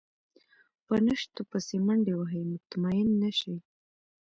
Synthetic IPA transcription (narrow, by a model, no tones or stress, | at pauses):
pənəʃt̪opəsemaɳɖewaɦəjmʊt̪mɑjɪnːaʃi